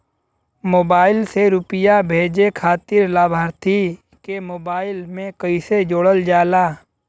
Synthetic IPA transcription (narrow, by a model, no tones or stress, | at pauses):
moːbaːɪlseɾʊpɪjabʱeːd͡ʒekʰaːt̪ɪɾlaːbʱaːɾt̪ʰi | kemoːbaːɪlmẽkəɪsed͡ʒoːɽəld͡ʒaːlaː